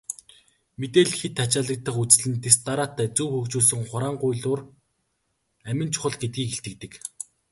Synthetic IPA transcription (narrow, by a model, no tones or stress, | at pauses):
met̪eːɮxet̪ʰːat͡ɕaːɮə̆k̚t̪ə̆χut͡sɮɘ̆nt̪est̪aɾaːt̪ːæːt͡suwxɵkt͡ɕuːɮs̬ɵ̆ŋχʊɾaːɴɢʊjɮʊːr | æmʲɪ̆nt͡ɕʰʊ̥χə̆ɮɡet̪̚ɡiːkeɬt̪ɘ̆k̚t̪ɘ̆k